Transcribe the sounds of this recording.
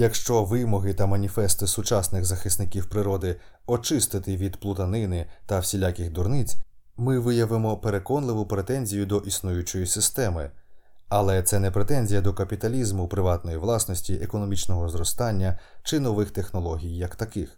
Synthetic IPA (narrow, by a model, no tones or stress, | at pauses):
jɐkʃt͡ʃɔʋɪmɔɦɪt̪ɐmɐnʲifɛst̪ɪsʊt͡ʃɑsnɪɣzɐxɪsnɪkʲiwpɾɪɾɔd̪ɪ | ɔt͡ʃɪst̪ɪt̪ɪʋʲid̪plˠʊt̪ɐnɪnɪt̪ɐwsʲilʲakʲɪxd̪ʊrnɪt͡sʲ | mɪʋɪjɐʋɪmɔpe̞ɾe̞kɔnlˠɪʋʊpɾe̞t̪ɛnʲzʲijʊd̪ɔʔisnujʊt͡ʃɔjisɪst̪ɛmɪ̰ | ɐlˠɛt̪sɛnɛpɾet̪ɛnʲzʲijɐd̪ɔkɐpʲit̪ɐlʲizmʊpɾɪʋɑt̪nɔjiʋlˠɑsnɔsʲtʲiʔekɔnɔmʲit͡ʃnɔɦɔzɾɔst̪ɑnʲːɐt͡ʃɪnɔʋɪxt̪e̞xnɔlˠɔɦʲijːɐkt̪ɐkɪx